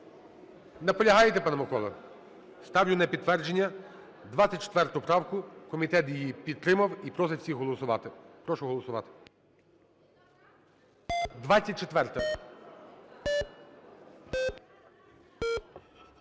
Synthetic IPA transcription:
nɐpɔlʲɐɦɑjet̪epɑnɐmɔkɔlˠɐ̰ | st̪ɑwlʲʊnɐpʲid̪t̪ːʋɛrd͡ʒenʲːɐ | d̪ʋɑɐt̚ʲt͡ʃe̥t̪ʋɛrt̪ʊpɾɑwkʊkɔmʲit̪ɛt̪jijipʲid̪ɾɪmɐwipɾɔs̬ɛwsʲixɦɔlˠɔsʊʋɑ̰t̪ɪpɾɔʃʊɦɔlˠɔsʊʋɑ̰t̪ɪ̥ | d̪ʋɑt͡sʲːɐt̚ʲt͡ʃet̪ʋɛrt̪ɐ

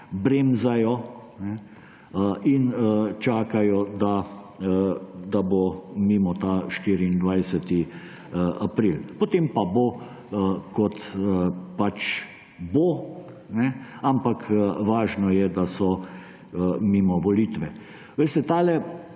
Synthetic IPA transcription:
bɾemzajɔnɛ | int͡ʃaːkajɔd̪a | d̪abomiːmɔt̪aʃt̪iːɾiːnd̪ʋajsɛt̪i | ʔapɾilpɔt̪empabo | kɔt̪əpat͡ʃ | bo | nɛampakʰʋaːʒnɔjɛd̪asɔ | miːmɔʋɔliːt̪ʋɛ | ʋeɪst̪ɛt̪aːlɛ

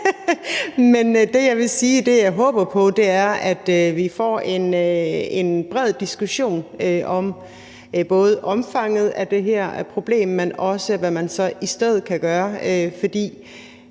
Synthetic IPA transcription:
mend̥e̝jɑ̈ɪʋe̝siːd̥e̝jɑ̈ɪɦɔ̽ːb̥ɐpʰɒ̽d̥e̝æɐæd̥ʋifɒ̰e̝nøe̝nb̥ʁɛð̞̰ˠd̥isɡ̥uɕo̝̰ːnøʔɒ̽m | b̥ɔ̽ːð̞̩ˠəʔɒ̽mfɑ̈ŋ̰ð̞̩ˠæd̥e̝ɦeɐ̰pʰʁo̝b̥le̝̰ːmːenɒ̽səʋæmænsɒ̽ʔisd̥eð̞̰ˠð̩ˠkʰæɡ̥ɶːɐøfɒ̽d̥ḭː

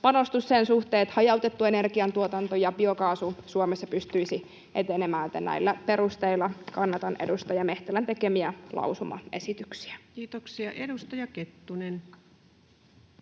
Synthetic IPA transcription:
pɑno̞st̪usːeːnsuht̪eːt̪hɑjɑuwt̪et̪ːue̞ne̞rɡiɑnt̪uot̪ɑnt̪ojɑbio̞kɑːsusuomesːɑpyst̪yisi | ʔet̪enemæːnet̪ːænæ̰ilːæpe̞ɾust̪eilːˑɑkɑnːɑt̪ɑnʔḛdust̪ɑjɑme̞ht̪ælænt̪ekemiælʔɑ̰usumɑ̰e̞̰sit̪yksi̥ækiːt̪oksiɑʔedust̪ɑjɑket̪ːunen

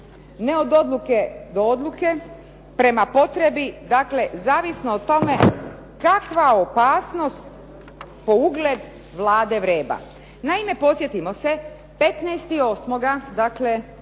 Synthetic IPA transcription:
neo̞d̪o̞d̪lˠuke̞d̪ood̪lˠuke | pɾe̞mapo̞t̪ɾe̞bid̪akle̞zaːʋisnoːt̪o̞me̞ | kakʋaopaːsno̞st̪ | po̞uɡled̪ | ʋlˠaːd̪e̞ʋɾeːba̰ | naime̞po̞sje̞t̪imo̞se̞ | pe̞t̪nɛst̪io̞ːsmo̞ɡad̪akle̞

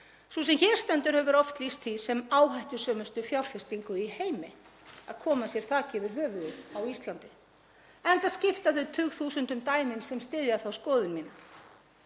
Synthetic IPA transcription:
susɛmçɛːɾ̥st̪ɛnt̪ʏɾ̥hɛvʏɾɔft̪list̪ʰisɛmaːwɦajht̪ʏ̥sœːmʏst̪ʏfjawl̥fɪ̥st̪iŋkʏiheːjmɪ | a̰ðkʰɔːmasjɛɾ̥θaːcɪvɪɾɦœːvʏðʏawist̪lant̪ɪ | ɛnt̪aðscɪft̪aθʏt̪ʰʏːɣθuːsʏnt̪ʏmt̪aːjmɪnsɛmst̪ɪðjaθawskɔːðʏnmiːna

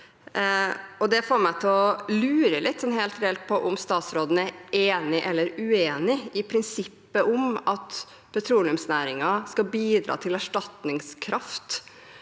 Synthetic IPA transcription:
ɔd̪ɛfoːɾmæɪt̪ʰɛlɔlʉːɾəlɪt̪ːsɔnheːlt̪ɾɛɛlt̪̚pʰɔʔʊmst̪ɑːt̪sɾoːd̪ən̩æɾʔeːnɪʔɛlːəɾʉeːnɪɪpʰɾɪnsɪpːəʔʊmɑt̪ | pʰɛt̪ʰɾuːlɪʉmsnæːɾɪŋɑskɑbiːd̪ɾɑ̰ːt̪ʰɪlæʂʈɑt̪nɪŋskʰɾɑft̪

